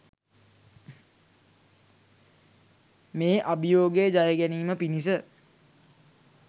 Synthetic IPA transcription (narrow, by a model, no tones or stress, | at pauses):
meːʔabjoːɡejəd͡ʒajəɡæniːməpinis̬ə